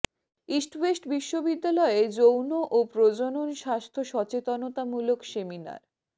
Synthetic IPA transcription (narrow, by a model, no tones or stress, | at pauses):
isʈwesʈbiʃːobid̪ːalɔed͡ʑownoʔopɾod͡ʑononʃast̪ʰoʃɔt͡ɕet̪onot̪amulokʃemina̰ɾ